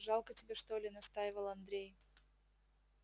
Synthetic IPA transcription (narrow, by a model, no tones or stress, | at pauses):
ʐɑlˠkətʲɪbʲe̞ʂt̪olʲɪnɐst̪ajɪvəlˠɐnd̪ɾʲej